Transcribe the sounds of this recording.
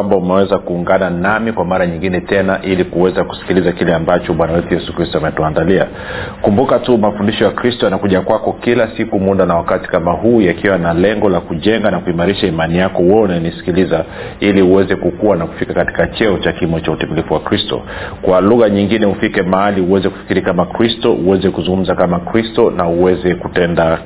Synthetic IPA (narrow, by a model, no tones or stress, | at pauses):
ambaumɛwɛzakuːŋɡananamikwamaɾaɲiŋɡinɛtɛnaʔilikuwɛzaku̥si̥kilizakilɛambat͡ʃɔɓwanawɛtujɛsukɾistɔamɛtuandalia̰ | kumbukatumafundiʃɔjakɾistɔjanakuʄakwakɔkilasikumuɗanawakati̥kamahuːjakiwanalɛŋɡɔlakuʄɛŋɡanakuimaɾiʃaimanijakɔwɛnajɔnisi̥kiliza | iliuwɛzɛkukuwanaku̥fikakati̥kat͡ʃɛɔt͡ʃakimɔt͡ʃautɛmilifuwakɾistɔ̰kwaluɣaɲiŋɡinɛufikɛmaaliuwɛzɛku̥fi̥kiɾikamakɾistɔʔuwɛzɛkuzuŋɡum̩zakamakɾistɔnauwɛzɛkutɛnda